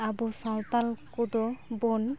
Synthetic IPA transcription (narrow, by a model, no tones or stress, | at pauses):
abusalt̪alkud̪ɔbɔn